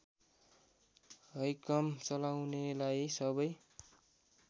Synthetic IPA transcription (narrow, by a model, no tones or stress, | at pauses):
ɦʌjkʌmt͡sʌlawnelajsʌbʌj